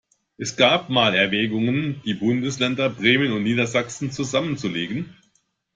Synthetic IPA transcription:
ʔɛsɡ̥aːp̚maːlɛɐvɛːɡʊŋənd̥iːbʊndəslɛndɐbʁeːmənʊntniːdɐzaksn̩t͡suzamənt͡suleːɡn̩

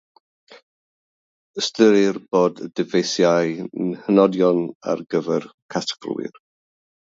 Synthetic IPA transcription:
əstəɾɪrboːdədɪvejsjajnhənɔdjɔna̰rɡəvɛrkʰatɡlwɪ̰r

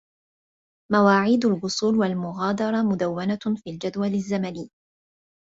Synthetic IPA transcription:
mawaːʕiːd̪alɣʊsˤuːlwalmʊɣɑːd̪ɑɾˤɑmʊd̪awːanafiːld͡ʒad̪walazːamaniː

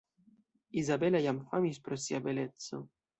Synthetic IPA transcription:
izabelajamfamispɾosiabelet̪so̰

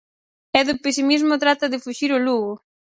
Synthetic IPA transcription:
ɛðʊpes̬imizmʊt̪ɾat̪ɐðɪfuʃiɾʊluɣʊ

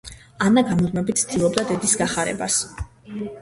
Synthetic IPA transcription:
anaɡamɔd̪mɛbit̪sʰd̪ilˠɔbd̪ad̪ɛd̪isɡaχaɾɛ̰bas

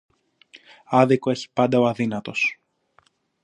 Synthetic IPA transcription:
ɐðiko̞e̞çi̥pɐnd̪ɐoɐðinɐt̪o̞s

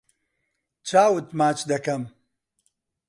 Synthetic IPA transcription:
t͡ʃaːwɨt̪maːt͡ʃd̪ɐkɐm

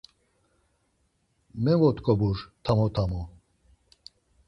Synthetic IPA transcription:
mɛvɔt̪ʰkʰʼɔbuɾt̪ʰamɔt̪ʰamɔ

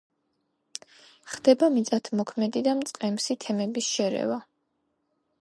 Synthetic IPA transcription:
χd̪̥ɛbamit̪sʼat̪ʰmɔkʰmɛd̪id̪amt̪sʼqʼɛmsit̪ʰɛmɛbisʃɛɾɛ̰va

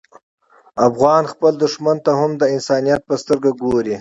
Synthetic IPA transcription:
afɣɑnxpəld̪ʊʂmant̪ahʊmd̪əɪnsɑːnijat̪̚pəst̪əɾɡaɡoɾi

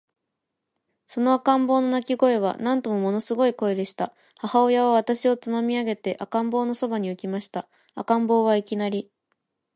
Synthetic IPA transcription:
so̞no̞akãmbo̞ːno̞nakʲiɡo̞e̞β̞a̰nãnt̪o̞mo̞mo̞no̞sɨɡo̞iko̞ed̪e̞ɕi̥t̪a | hahao̞jaβ̞aβ̞at̪aɕio̞t͡sɨmamʲiaɡe̞t̪e̞ʔakãmbo̞ːno̞so̞baɲ̟iɯ̟kʲimaɕi̥t̪a | akãmbo̞ːβ̞aikʲinaɾʲi

